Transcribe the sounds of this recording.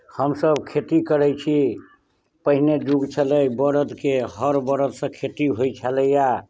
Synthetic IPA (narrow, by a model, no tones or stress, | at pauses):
həmsəbkʰeʈikəɾɛt͡ʃʰi | pəɦined͡ʒuɡt͡ʃʰələjbəɾəd̪keɦəɾbəɾəd̪sə̃kʰeʈiɦojt͡ʃʰələja